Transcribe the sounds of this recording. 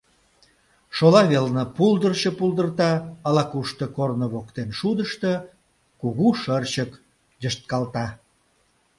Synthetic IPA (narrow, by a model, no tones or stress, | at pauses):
ʃolɑβelnəpuld̪ərɕə̆puld̪ərt̪ɑɑlɑkuʃt̪əkornəβokt̪enʃud̪əʃt̪ə̆ | kuɣuʃərt͡ɕək | dəʃt̪̚kɑlt̪ɑ